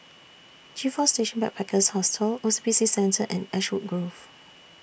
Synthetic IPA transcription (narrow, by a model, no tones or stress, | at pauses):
d͡ʒifɔsteʃə̃nbɛk̚pʰɛkʰəshɔstʰəlosibisisɛ̃ntəʔɛ̃nɛʃwut̚ɡɹof